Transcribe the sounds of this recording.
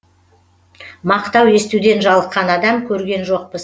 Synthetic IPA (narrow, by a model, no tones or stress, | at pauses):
mɑqt̪ɑwe̞st̪ud̪e̞nʒɑlˠəqːɑnɑd̪ɑmkʲʰɵɾɡʲe̞nʒo̞q̚pəs